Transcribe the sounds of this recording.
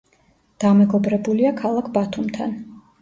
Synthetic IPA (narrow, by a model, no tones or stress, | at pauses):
d̪̥amɛɡɔbɾɛbuliakʰalˠakʰbat̪ʰumt̪ʰa̰n